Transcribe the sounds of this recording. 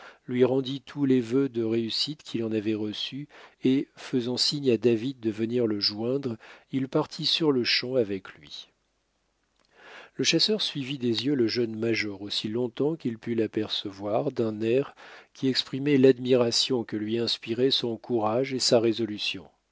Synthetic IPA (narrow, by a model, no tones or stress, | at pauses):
lɥiʁɑ̃d̪it̪ʰulɛvød̪əʁeysit̪kʲʰilɑ̃navɛʁəsyefəzɑ̃siɲad̪avid̪̚ːəvəniʁləʒwɛ̃d̪ʁilpaʁt̪ʰisyʁləʃɑ̃avɛklɥi | ləʃasœʁsɥivid̪ezjøləʒənmaʒɔʁosilɔ̃t̪ɑ̃kilpylapɛʁsəvwaʁd̪ɛ̃nɛʁkʲʰiɛkspχimɛlad̪miʁasjɔ̃kəlɥiɛ̃spiʁɛsɔ̃kʰuʁaʒesaʁezɔlysjɔ̰̃